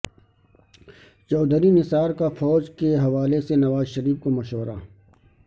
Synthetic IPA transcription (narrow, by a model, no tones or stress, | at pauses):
t͡ʃɔːd̪əɾinɪsaːɾkafɔːd͡ʒkeɦɐʋaːlesenɐʋaːzʃɐɾiːfkomɐʃɔːɾaː